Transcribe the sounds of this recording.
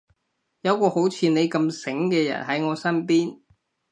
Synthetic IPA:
jɐ˨˧wkɔː˧ho˨˥wt͡sʰiː˨˧ne˨˧jkɐ˧msɪ˨˥ŋkɛː˧jɐ̰˨˩nɦɐ˨˥jŋɔː˨˧sɐ˥npiː˥n

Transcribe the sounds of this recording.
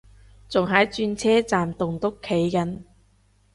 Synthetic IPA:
t͡sʊ˨ŋɦɐ˨˥jt͡ʃyː˧nt͡sʰɛː˥t͡saː˨mt̪ʊ˨ŋt̪ʊ˥kʰːe˨˥jkɐ˨˧n

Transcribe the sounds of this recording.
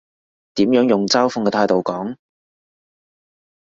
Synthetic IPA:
t̪iː˨˥mjœː˨˥ŋjʊ˨˩ŋt͡saː˥wfʊ˧ŋkɛ˧t̪ʰaː˧jt̪o˨wkɔː˨˥ŋ

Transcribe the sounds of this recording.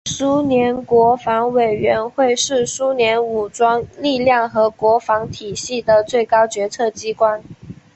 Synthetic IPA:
su˥njɛ˧˥nkwɔ˧˥fɑ˧˥ŋwe˨˩ɪɥɛ˧˥nxwe˥˧ɪʂɻ̩˥˩su˥njɛ˧˥nu˨˩ʈ͡ʂwɑ˥ŋli˥˧ljɑ˥˩ŋxɤ˧˥kwɔ˧˥fɑ˧˥ŋt̪ʰi˨˩ɕi˥˩d̪ə˩t͡swe˥˩ɪkɑ˥ʊt͡ɕɥɛ˧˥t͡sʰɤ˥˩t͡ɕi˥kwa˥n

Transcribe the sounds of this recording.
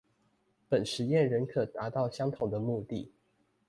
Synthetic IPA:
pə˨˩nʂɻ̩˧˥jɛ˥˨nɻə˨˦nkʰɤ˨˩t̪a˨˧˥t̪ɑ˥˩ʊɕjɑ˥ŋt̪ʰʊ˨˩ŋd̪ə˦mu˥˧t̪i˥˨

